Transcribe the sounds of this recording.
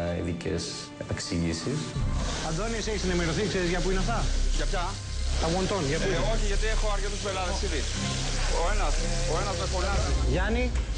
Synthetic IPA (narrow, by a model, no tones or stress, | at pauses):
ḭðicḛs | epeksiʝisisɐðonieseçisenimeɾoθikseɾizʝɐpuinɐft̪ɐʝɐpçɐ | t̪ɐɣont̪onʝɐt̪ioçiʝɐt̪iexoɐɾcet̪uspelɐðesiði | oenɐsoenɐzefoɐʝɐni